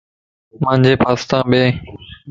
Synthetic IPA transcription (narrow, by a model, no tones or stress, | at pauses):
mãːnd͡ʑeːpʰaːst̪ãːɓeː